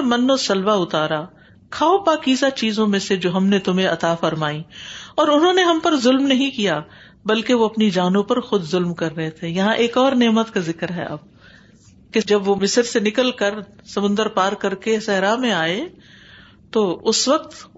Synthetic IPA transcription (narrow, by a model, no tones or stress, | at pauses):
mɐnːosɐlʋaʊt̪aːɾaː | kʰaːopaːkiːzat͡ʃiːzõmẽsed͡ʒoːɦɐmnet̪ʊmẽɐt̪aːfɐɾmaːĩɔːɾʊnɦõːneɦɐmpɐɾzʊlmnɐɦĩkijaː | bɐlkeʋoɐpnid͡ʒaːnõpɐɾxʊd̪zʊlmkɐɾːɐɦet̪ʰẽjɐɦãʔeːkɔːɾneːmət̪kazɪkɾɦɛ̰ʔɐ̰b̚ | ked͡ʒɐbʋomɪsəɾsenɪkəlkɐɾsɐmʊ̃nd̪əɾpaːɾkɐɾkesɛɦɾamẽaːe | t̪oːʊsʋɐq̚t̪